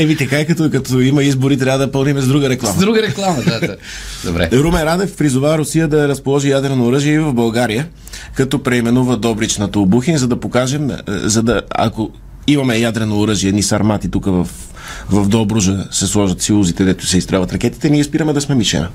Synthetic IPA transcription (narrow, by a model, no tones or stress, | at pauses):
ɛvit̪ɛkajkɐt̪ɔkɐt̪ɔimɐizboɾit̪ɾʲavəd̪ɐpəlˠnimɛzd̪ɾuɡəɾɛklˠamɐd̪ɾuɡəɾɛklˠamɐd̪a | d̪obɾɛ̰ɾumɛɾad̪ɛfpɾizʊvavɾʊsijəd̪ɐɾɐspolˠɔʒijad̪ɾɛnoːɾəʒiɛivɐvbɐlˠɡaɾijə | kɐt̪ɔpɾɛimɛnuvəd̪ɔbɾit͡ʃnɐt̪oːbuxinzɐd̪ɐpokaʒɛm̰zɐd̪ɐa̰ko | imɐmɛjad̪ɾɛnoːɾəʒiɛd̪nisɐɾmat̪it̪ukəvɐf | vɐvd̪ɔbɾuʒəsɛslˠɔʒɐt̪silˠuzit̪ɛd̪ɛt̪ʊ̥sɛist̪ɾɛvət̪ɾɐk̟ɛt̪i̥t̪ɛniɛspiɾəmɛd̪ɐsmɛmiʃɛ̰nɐ̰